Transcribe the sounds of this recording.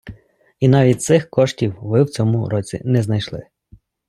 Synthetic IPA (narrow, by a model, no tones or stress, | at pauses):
inɑʋʲit̚ʲt̪sɪxkɔʃtʲiwʋɪwt͡sʲɔmʊɾɔt͡sʲḭnɛznɐjʃlˠɪ̰